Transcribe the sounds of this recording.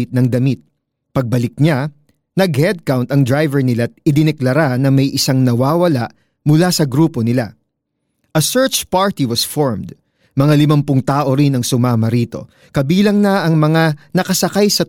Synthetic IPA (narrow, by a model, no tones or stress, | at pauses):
ɪt̪̚nɐŋd̪ɐmit̪̚ | pɐɡ̚bɐlɪk̚ɲa | nɐɡhɛd̪̚kawnt̪ɐŋd̪ɾajvɛɹnɪlat̪̚ɪd̪ɪnɛklɐɾanɐmɐjʔɪsaŋnɐwaːwɐlaʔ | mʊlasɐɡɾuːpo̞nɪla̰ | ʔɐsɛɹt͡ʃpaɹt̪iwɐsfoɹmd̪ | mɐŋalɪmɐmpʊŋt̪aːʔo̞ɾɪnɐŋsʊmaːmɐɾiːt̪o̞̰ | kɐbiːlɐŋnɐɐŋmɐŋanɐkɐsɐkajsɐ